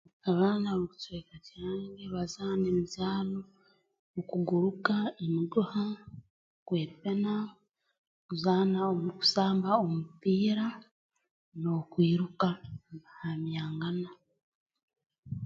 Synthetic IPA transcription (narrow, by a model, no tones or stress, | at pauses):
aβaːnaβakutweːkataːŋɡeβazaːnemizaːlo | okuɡuɾukaemiɡuha | kwe̞ːpena | kuzaːnaomuku̥saːmbaomupiːɾa | no̞kwiːɾukaβahamjaːŋɡana